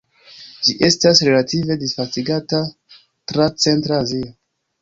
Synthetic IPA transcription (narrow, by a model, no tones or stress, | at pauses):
d͡ʒiʔe̞stasɾe̞lative̞disfastiɡata | tɾat͡se̞ntɾaːzio